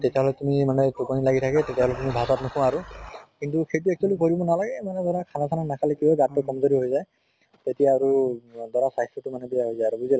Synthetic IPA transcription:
tetjaɦɔlɛtumimanɛtukɔnilaɡitʰakɛtetijaɦɔlɛtumibʱasatnɔkʰɔ̃w̃aɹukintuxejt̬uɛk̚t͡ʃualikoɹibɔnalaɡɛmanɛdɔɹakʰanakʰananakʰalɛkiaɡatːɔkɔmzɔɾiɦojzaj | tetijaːɹudɔɹasaɦistɔtʊmanɛbiaɦojzajaɹubuzi

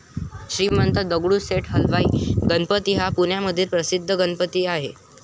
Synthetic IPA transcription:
ɕɾiːmənt̪əd̪əɡɽuːseʈɦəlʋaiɡənpət̪iːɦapuɳjaməd̪ʱːiːɾpɾəsid̪ʱːəɡənpət̪iːaɦe

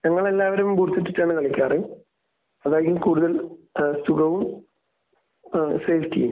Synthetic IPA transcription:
ɲɐŋːɐɭe̞lːaːʋɐɾummbuːrt̪ːɐʈːiʈːaːɳɨkɐɭikʲːaːri | ɐðaːjɐɣumkuːɽuðɐlsuɣɐʋum | sejfʰtḭjm

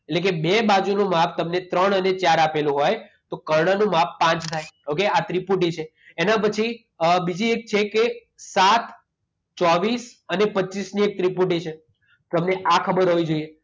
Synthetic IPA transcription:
eʈlek̬ebebad͡ʒunũmapt̪əmnet̪ɾəɳənet͡ʃaɾapelũɦojt̪okəɾɳənũmappãt͡ʃt̪ʰajokeat̪ɾipuʈ̬it͡ʃʰeː | nãp̬ət͡ʃʰi | əbid͡ʒiek̚t͡ʃʰeke | sat̪ | t͡ʃɔʋisənepətːt͡ʃisniek̚t̪ɾipuʈ̬it͡ʃʰe | t̪əmneʔakʰəbəɾɦəʋid͡ʒoie

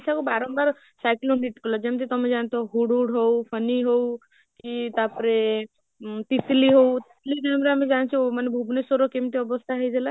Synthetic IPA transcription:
sakobaɾɔ̃nbaɾ | sajkloɳɖiʈkəlɔd͡ʒemt̪it̪ɔmːed͡ʒant̪ʰoɦuɽuɽɦowpʰəniɦow | kit̪apəɾe | t̪isliɦowt̪islikɛmɾamed͡ʒant͡ʃʰimanebʱubnesoɾokemʈ̪iɔbəst̪ʰaɦejd͡ʒela

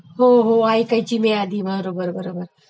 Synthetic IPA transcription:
ɦoɦoaikəit͡ɕiːmead̪iːbəɾəɾobəɾbəɾobəɾ

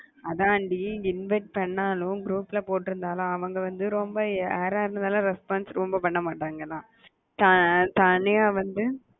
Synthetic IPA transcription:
ɐðãːɐɳɖiɪnʋɐɪʈ̚pɐɳːaːlʊ̃ɡɾuːpɪlɐpoːʈːɪɾɯnd̪aːlʊ̃ɐʋɐŋɡɐʋɐnd̪ɯɾɔmbɐeːɾaːɾnɐd̪aːlãːɾɛspaːnsɾɔmbɐpɐɳːɐmaːʈːaːŋɡɐlãː | t̪ɐt̪ɐnɪjaːʋɐnd̪ɯ

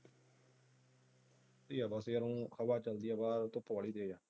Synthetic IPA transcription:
d̪iːjaːbaseːəɾũːxʰəbaːt͡ʃəld̪ɪjaːbaːɾt̪ʊpːʋaːɭiːd̪eːjaː

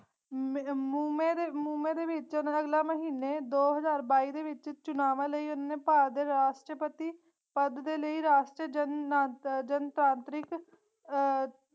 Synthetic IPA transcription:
muːmeːdemuːmẽːd̪eːʋɪt͡ʃʊnaəɡlaːməɦiːneːd̪oːɦəzaːɾbaːiːd̪eːʋɪt͡ʃt͡ʃʊnaːʋãːləiːʊnaːneːpaːɾd̪eːɾaːʃʈɾəpət̪iː | pəd̪d̪eːləiːɾaːʃʈɾəd͡ʒənaːd͡ʒənt̪ɾãːnt̪ɾɪk

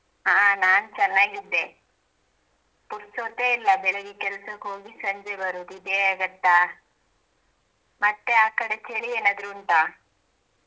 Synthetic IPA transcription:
ɦaːnaːnt͡ʃɐnːaːɡid̪ːe̞ | puɾstot̪eːilːɐbɛɭeɡekɛlɐsɐkɦoːɡisɐɲd͡ʒebɐɾud̪id̪eaːɡɐt̪ːaː | mɐt̪ːeaːkɐɽet͡ʃeɭieːnaːd̪ɐɾuːɳʈ̪aː

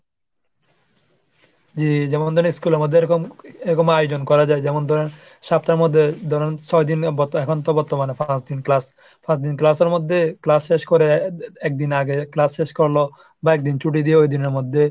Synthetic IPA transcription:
d͡ʑid͡ʑɛmond̪ʱɔɾeniskuleɾmod̪ʱːeɾɔkomeɾɔkomajod͡ʑonkɔɾad͡ʑaed͡ʑɛmond̪ʱɔɾen | ʃapt̪aɾmod̪ʱːed̪ʱɔɾent͡ʃʰɔjd̪inbɔt̪ːɛkʰont̪obɔɾt̪ːomanefʰãsd̪inklas | fʰãsd̪inklaseɾmod̪ʱːeklasʃeʃkoɾeɛk̚d̪inaɡeklasʃeʃkoɾlo | baɛk̚d̪int͡ɕuʈ̬id̪ieojd̪ineɾmod̪ʱːe

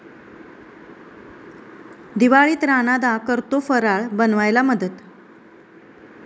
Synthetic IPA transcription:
d̪iʋaɭiːt̪ɾanad̪akəɾt̪ofəɾaɭbənʋajlaməd̪ət̪

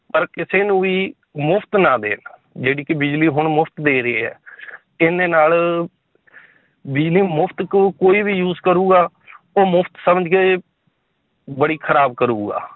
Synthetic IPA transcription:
pəɾkɪseːnũːʋiː | mʊpʰt̪nãːd̪ḛːnd͡ʒeːɽiːkɪbɪd͡ʒliːɦʊɳmʊpʰt̪d̪eːɾəeːɦɛ̰ː | ɪneːnaːl | bɪd͡ʒliːmʊpʰt̪kkoːiːbiːjuːzkəɾuːɡaː | oːmʊpʰt̪səməd͡ʒkeː | bəɽiːkʰəɾaːbkəɾuːɡa̰ː

